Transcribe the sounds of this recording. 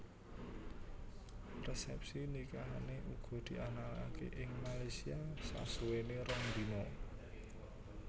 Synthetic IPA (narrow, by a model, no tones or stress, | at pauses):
rɛsɛp̚sinikaɦaneʔuɡ̥ɔ̤d̪̥i̤ʔanala̰kḛʔɪŋmalajsiasa̰suweneɾɔnd̪inɔ